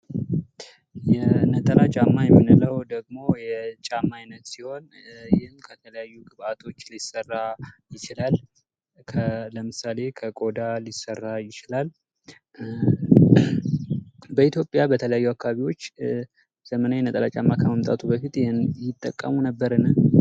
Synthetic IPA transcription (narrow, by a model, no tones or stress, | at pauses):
jɛnət̪ʼəlat͡ʃʼamːajɛmːɨnɨləwd̪əɡ̚mo̞jɛt͡ʃʼamːajnət̪siho̞n | jɪhnkʰət̪ʰələjajːuɡʼɨβat̪ʰo̞t͡ʃːlisərːajɪt͡ʃɪlal | kʰələmɨsale̞kʰəkʼo̞d̪alisərːajɪt͡ʃɪlal | bəit̪jo̞pʼjabət̪ʰələjajːuakːaβaβiwo̞t͡ʃː | z̥əmənajɛnət̪ʼəlat͡ʃʼamːakʰəməmt̪ʼa̰t̪ʰubəfit̪jnjɪt̪ʼːə̰kʼːə̰munəbːəɾɨnə